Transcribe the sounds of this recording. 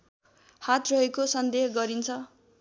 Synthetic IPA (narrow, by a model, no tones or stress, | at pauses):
hat̪rʌɦekosʌnd̪ehɡʌɾint͡sʰʌ